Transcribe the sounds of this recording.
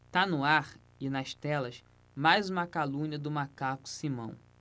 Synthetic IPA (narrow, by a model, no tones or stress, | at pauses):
t̪anʊaɾ | ɪnɐʃt̪ɛlɐs | majzũmɐkalũɲɐd̪ʊmakakʊ̥simɐ̰̃w̃